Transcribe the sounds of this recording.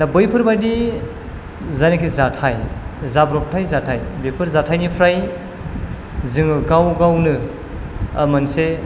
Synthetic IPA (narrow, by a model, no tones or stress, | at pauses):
dabɯjpʰɯɾbajdi | zanikʰizatʰajzabɾɔpʰtʰajzatʰajbɯjpʰɯɾzatʰajnipʰɾaj | zɯŋɯɡawɡawnɯ | ɐmɯnse